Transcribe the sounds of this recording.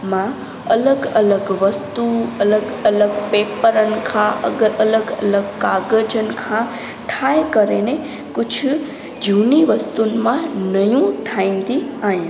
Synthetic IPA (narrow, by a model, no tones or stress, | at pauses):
mã | ələɡələɡʋəst̪uələɡələɡpepəɾənkʰãʔə̰ɡəələɡə̰ləɡkaɡəd͡ʒənkʰã | ʈʰaekəɾene | kʊt͡ʃʰ | d͡ʒuniʋəst̪unmãnəjũʈʰaĩnd̪iaɦẽ